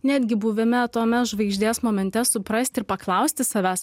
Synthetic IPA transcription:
nʲæːd̪ʲɡʲɪbuʋʲɛmʲɛɐt̪oːmʲɛʒʋɐɪʒʲd̪ʲeːsmoːmʲɛnʲt̪ʲɛsʊpɾɐsʲt̪ʲɪɾpɐklˠɐʊsʲt̪ʲɪsɐʋʲæːs

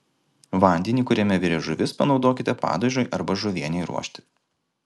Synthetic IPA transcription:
ʋɐˑnʲd̪ʲɛnʲiːkʊɾʲɛmʲɛʋʲɪɾʲɛʒʊʋʲɪspɐnɒʊd̪oːkʲɪt̪ʲɛpɑ̰ːd̪oʒʲoːjʔɐɾbɐʒʊʋʲiɛnʲɛɪɾṵɔʃʲt̪ʲɪ̥

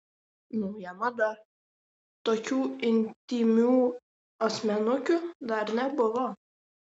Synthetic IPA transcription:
nɔʊjɛmɐd̪ɐɾ | t̪oːkʲuːɪnʲt̪ʲiːmʲuː | ɐsʲmʲɛnʊkʲʊd̪ɐɾnʲɛbʊʋo

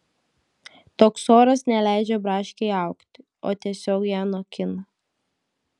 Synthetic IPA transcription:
t̪oːksoːɾɐsnʲɛlʲæˑɪd͡ʒʲɛbɾɑːʃʲkʲɛɪɑˑʊkt̪ʲɪ | o̰ːt̪ʲiɛsʲoːkjæːnoːkʲɪnɐ

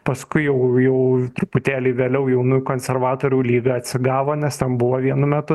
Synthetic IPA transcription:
pɐskʊɪjɛʊjɛʊt̪ɾʊpʊt̪ʲæːlʲeɪʋʲeːlʲɛʊjɛʊnuːjʊkoːnʲsʲɛrʋɑːt̪oːɾʲuːlʲiːɡɐɐt̪ʲsʲɪɡɑːʋoːnʲɛst̪ʲɛnbʊʋoːʋʲiɛnʊmʲɛt̪ʊ

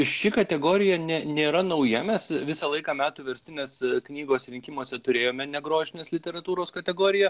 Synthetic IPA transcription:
ɪʃʲɪkɐt̪ʲɛɡoːɾʲɪjɛnʲɛnʲeːɾɐnɐʊjɛmʲɛsʋʲɪsɐlˠɐɪkɑːmʲæːt̪uːʋʲɛɾʲsʲt̪ʲɪnʲɛsknʲiːɡoːsɾʲɪŋʲkʲɪmuɔsʲɛt̪ʊɾʲeːjoːmʲɛnʲɛɡɾoːʒʲɪnʲeːslʲɪt̪ʲɛɾɐt̪uːɾoːskɐt̪ʲɛɡoːɾʲɪjɛ

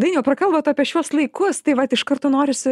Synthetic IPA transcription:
d̪ɐɪnʲjɛːprɐkɐlˠbɐːt̪ɐːpʲiɛʃʲuɔslˠɐɪkʊst̪ɐɪʋɐt̪ɪʃkɐrt̪oːnoːɾʲɪsʲɪ

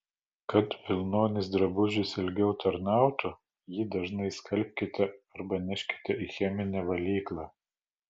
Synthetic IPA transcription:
kɐt̪ʋʲɪlʲˠnoːnʲɪsd̪ɾɐbʊʒʲɪsɪlʲɡʲɛʊt̪ɐɾnɑˑʊt̪ʊ | jiːd̪ɐʒnɐɪskɐlʲp̚ʲkʲɪt̪ʲɛɐɾbɐnʲɛʃʲkʲɪ̥t̪ʲɛixʲɛmʲɪnʲɛʋɐlʲiːklˠɑː

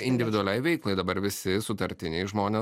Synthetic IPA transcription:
ɪnʲd̪ʲɪʋʲɪd̪ʊɐlʲɛɪʋʲɛɪkklˠɐɪd̪ɐbɐɾʋʲɪsʲɪsʊt̪ɐɾʲt̪ʲɪnʲɛɪʒmoːnʲeː

